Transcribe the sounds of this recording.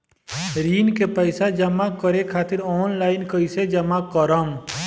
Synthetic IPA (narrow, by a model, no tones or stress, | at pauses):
ɾiːnkepəɪsad͡ʒəmakəɾekʰaːt̪ɪɾɔːnlaːɪnkəɪsed͡ʒəmakəɾəm